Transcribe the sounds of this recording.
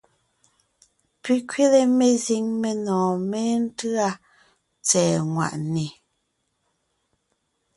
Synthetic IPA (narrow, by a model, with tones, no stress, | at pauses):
pi˦kɥi˦le˨me˨zi˨˦ŋme˨nɔ̃ː˨me˦n̩˦tɯ˦a˦ | t͡sɛː˨ŋwa̰˨ʔne˨